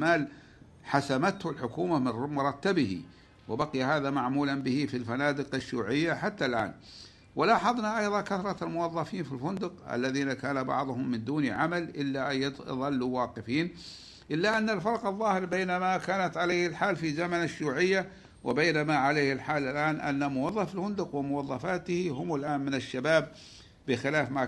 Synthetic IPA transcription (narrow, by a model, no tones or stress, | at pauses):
maːl | ħasamat̪hʊlħʊkuːmamɪmʊɾˤɑt̪ːabɪhḭ | wɪbaqɪjahaːðamaʕmuːlanbɪhifilfanaːd̪ɪqaʃːjṵːʕɪjːaħat̪ːalʔa̰ːn | wɪlaːħɑðˤnaʔɑjðˤɑkaθɾˤɑalmʊwɑðˤːɑfiːnfilfʊnd̪ʊqa̰lːaðiːnakaːnabɑ̰ʕðˤʊhʊmːɪnd̪uːniʕamalʔɪlːaʔaj̰ðˤɑlːuwɑːqɪfiːn | ʔɪlːaʔanːalfɑɾˤqɑðˤːɑːhɪɾbeːnamakaːnat̪ʕaleːhɪlħaːlfizamanaʃuːʕɪjːa | wɪbejːnamaʕaleːhɪlħaːlalʔaːnʔa̰nːamʊwɑðˤːɑfɪlhʊnd̪ʊqwɪmʊwɑðˤːɑfaːt̪hihʊmɪlʔaːnmɪnɪʃːabaːb̚ | bɪxɪlaːfma